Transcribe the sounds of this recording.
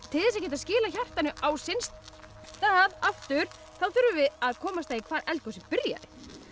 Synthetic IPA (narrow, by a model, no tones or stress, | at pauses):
t̪ʰɪlðɪsacɛːt̪ascɪːlaçar̥t̪anʏʔawsɪnst̪ | t̪aːðaft̪ʏɾ̥ | θaðθʏɾvʏvɪðaðkʰɔːmast̪aːikʰvaːɾɛltk̪osɪpɪɾja̰ðɪ̰